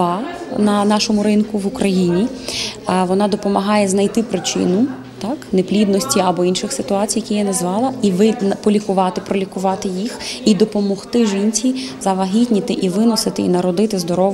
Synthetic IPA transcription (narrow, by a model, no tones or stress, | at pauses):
ɑnɐnɑʃɔmʊɾɪnkʊʋʊkɾʔɐjinʲi | ʋɔnɑd̪ɔpɔmɐɦɑjɛznɐjt̪ɪpɾɪt͡ʃɪ̰nʊ | t̪ɑkneplʲid̪nɔsʲtʲiɐbɔinʃɪxsɪt̪ʊɑt͡sʲijɐkʲijanɐzʋɑlˠɐiʋɪnpɔlʲikʊʋɑt̪ɪpɾɔlʲikʊʋɑt̪ɪjixid̪ɔpɔmɔxt̪ɪʒinʲt͡sʲizɐʋɐɦʲitʲnʲit̪ɪʔiʋɪnɔsɪt̪ɪḭnɐɾɔd̪ɪt̪ɪzd̪ɔɾɔ